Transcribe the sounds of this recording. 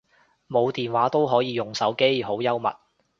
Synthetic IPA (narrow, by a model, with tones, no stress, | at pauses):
mo˨˧wt̪iː˨nwaː˨˥t̪o˥wɦɔː˨˥jiː˨˧jʊ˨˩ŋsɐ˨˥wke˥jɦo˨˥wjɐ˥wmɐ̰˨t̚